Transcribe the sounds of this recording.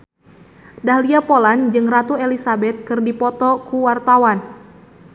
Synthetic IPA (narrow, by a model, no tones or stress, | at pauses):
daɦliapoland͡ʒɨŋrat̪uelisabɛt̪̚kɨrdipɔt̪ɔkuwart̪awan